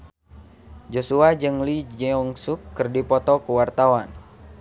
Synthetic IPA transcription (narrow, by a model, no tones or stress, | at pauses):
d͡ʒosuad͡ʒɨŋlid͡ʒɛɔŋsukːɨrdipɔt̪ɔkuwart̪awan